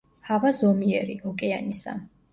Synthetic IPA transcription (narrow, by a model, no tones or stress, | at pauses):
havazɔmiɛɾiʔɔkʼɛanisa̰